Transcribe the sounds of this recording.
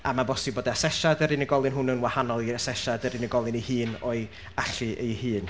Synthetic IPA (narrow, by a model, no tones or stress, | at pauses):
amabɔsɪboːdɛasɛʃadəɾɨnəɡɔlˠɨnɦʊnənwahanɔlˠiasɛʃadəɾɪnəɡɔlˠɨnihɨːnɔɨ | aɬɨʔḛjhɨːn